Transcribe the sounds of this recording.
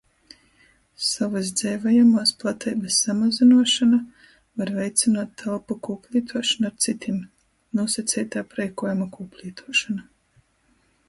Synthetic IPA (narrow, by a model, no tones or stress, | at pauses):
savazd̪zɛvajamaːsplˠat̪ɛjbɨsːamazinuɔʃana | vaɾvʲɛjt̪sʲinaːt̪ːʰalˠpakuːpʲlʲˠiːt̪ʰuɔʃanːɾt̪sit̪ʰʲim | nuɔsat̪sʲɛjt̪aːpɾɛjkuɔjamakuːpʲlʲˠiːt̪ʰuɔʃana